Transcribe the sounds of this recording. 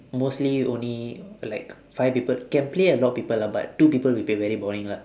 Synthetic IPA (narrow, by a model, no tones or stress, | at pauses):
mosliõ̰nlilaɪk | faɪpipəlkɛ̃npleəlɔt̚pipəlaba̰tːupipəlwipbevɛɹibɔɹĩŋla